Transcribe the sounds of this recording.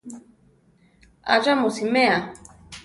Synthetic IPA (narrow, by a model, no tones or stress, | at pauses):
a̰ʐamusimea